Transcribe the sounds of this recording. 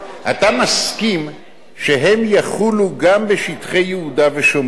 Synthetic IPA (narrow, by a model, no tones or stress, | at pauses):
ʔat̪amaskim | ʃeɦe̞mjaχuluɡambeʃitχe̞jːehudaveʃom